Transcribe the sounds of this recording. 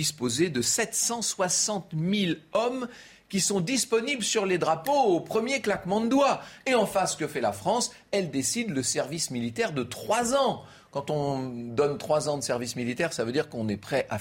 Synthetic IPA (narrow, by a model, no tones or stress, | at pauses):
ispozed̪əsɛt̪sɑ̃swasɑ̃t̪milɔm | kʲisɔ̃d̪ispɔnibləsyʁled̪ʁapoopχəmjeklakmɑ̃d̪əd̪waeɑ̃fasə̥kəfɛlafχɑ̃s | ɛld̪esid̪ləsɛʁvismilit̪ɛʁd̪ət̪χwazɑ̃ | kɑ̃t̪ɔ̃d̪ɔnt̪χwazɑ̃d̪əsɛʁvismilit̪ɛʁsavød̪iʁkɔ̃nɛpχɛʔa